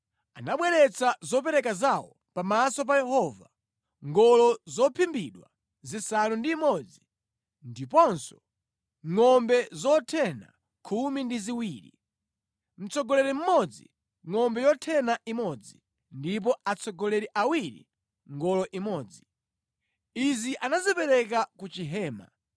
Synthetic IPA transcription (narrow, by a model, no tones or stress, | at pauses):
anaɓwɛɾɛt͡sazɔp̬ɛɾɛkazawɔ | pamasɔp̬ajɛhɔva̰ | ŋɡɔlɔzɔpʰimbiɗwa̰ | zisanundiːmɔd͡zi | ndipɔnsɔ̥ | ŋɔmbɛzɔtʰɛna̰ | kʰumindiziwiːɾḭ | m̩t͡sɔɡɔlɛɾim̩mɔd͡zḭ | ŋɔmbɛjɔtʰɛnaʔimɔd͡zi | ndip̬ɔat͡sʰɔɡɔlɛɾiʔawiɾḭ | ŋɡɔlɔʔimɔːd͡zi | iziʔanazipɛɾɛkakut͡ʃiɦɛːma̰